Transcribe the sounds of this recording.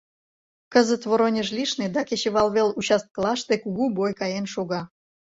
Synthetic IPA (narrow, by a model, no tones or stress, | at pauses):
kəzət̪βoɾonʲəʒlʲiʃned̪ɑkʲeɕeβɑlˠβelut͡ɕɑst̪̚klˠɑʃt̪ekuɣubojkɑjenʃoɣɑ